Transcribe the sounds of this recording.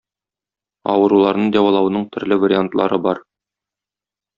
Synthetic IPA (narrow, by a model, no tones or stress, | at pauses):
ɒwɤ̆ɾulˠɑɾnɤɴd̪æwɑlˠɑw̆nɤɴt̪ʰɵ̆ɾlɘvaɾʲɪant̪lˠɑ̰ɾɤbɒɾ